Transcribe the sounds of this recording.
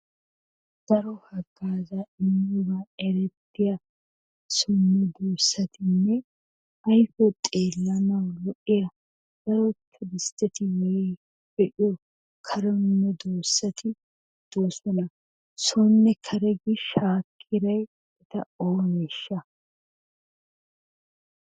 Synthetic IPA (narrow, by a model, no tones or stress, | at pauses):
d̪̥ɐɾɔhɐɡːaːzaɪnːubaɛɾɛt̪ːɪjɐ | sɔnːɛd̪oːsːɐt̪ʰɪnːɛ | ɐjfɔt̪ʼeːlːɐnɐwlɔʔːɪjɐ | d̪̥ɐɾɔkʰːɪɾɪst̪ɛt̪ɪwɔ | bɛᶑɪjɔ | kʰɐɾɔnːɛd̪oːsːɐt̪ʰɪ | d̪̥oːsɔnɐ | sɔnːɛkʰɐɾɛɡɪʃaːkʰːɪɾɐj | ɛt̪ɐ̰oːnɛʃːɐ